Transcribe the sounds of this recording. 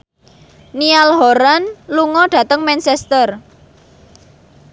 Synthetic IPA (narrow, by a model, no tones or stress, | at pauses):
nialɦɔɾanluŋɔɖ̥ä̤t̪əŋmɛnt͡ʃɛst̪ər